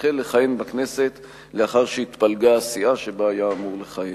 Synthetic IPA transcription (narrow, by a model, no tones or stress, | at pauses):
χelːeχajenbakne̞se̞t̪ | leaχaʁʃeit̪palɡaasiaʃe̞baajaːmuʁleχaje